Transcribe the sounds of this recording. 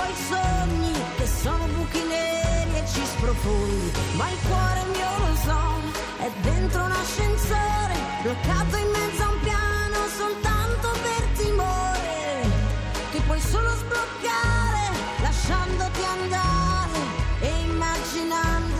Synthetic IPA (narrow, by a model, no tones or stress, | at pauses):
ɔjsoɲːi | kesːoːnobukineɾiet͡ʃːispɾofond̪imailkwɔːɾemiolosoɲːo | ɛd̪ent̪ɾounaʃːensoːɾe | blokːaːt̪oimːɛd̪zːaumpjanosolt̪ant̪opert̪imoɾe | t̪ipwɔjsuːlozblokːaɾe | laʃːand̪ot̪iand̪aɾe | eimːad͡ʒinand̪o